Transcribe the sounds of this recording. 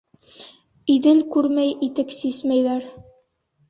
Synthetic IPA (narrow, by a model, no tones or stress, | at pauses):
iðɘlkʉɾmæjʔit̪ɘksismæjðæɾ